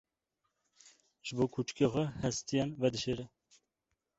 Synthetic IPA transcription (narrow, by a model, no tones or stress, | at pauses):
ʒɨboːkʰut͡ʃkexʷɛhɛst̪ijɛnvɛd̪ɨʃeːɾɛ